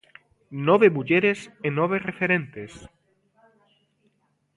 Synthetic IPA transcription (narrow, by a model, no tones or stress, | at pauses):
nɔβeβuʎeɾesenɔβ̞erefeɾẽnt̪es